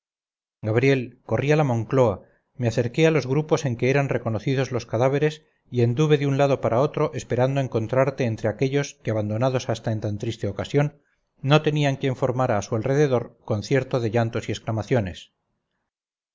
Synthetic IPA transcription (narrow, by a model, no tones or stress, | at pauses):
ɡaβ̞ɾje̞lko̞rialamõ̞ŋklo̞a | meaθe̞ɾke̞alo̞zɣɾupo̞se̞ŋke̞eɾanre̞ko̞noθiðo̞zlo̞skaðaβ̞e̞ɾe̞s | ie̞nd̪uβe̞ðeunlaðo̞paɾao̞t̪ɾo̞ʔespe̞ɾand̪oe̞ŋko̞nt̪ɾaɾt̪e̞ːnt̪ɾe̞ake̞ʎo̞skeaβand̪o̞naðo̞sast̪aent̪ant̪ɾist̪e̞o̞kasjo̞nː | o̞t̪e̞niaŋkje̞ɱfo̞ɾmaɾaːsualre̞ðe̞ð̞o̞ɾko̞nθje̞ɾt̪o̞ðe̞ʝant̪o̞siesklamaθjo̞nes